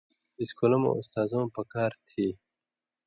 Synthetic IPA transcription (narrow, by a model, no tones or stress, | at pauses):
iskulɐmõ̰ust̪aːzõːpɐkaːɾt̪ʰiː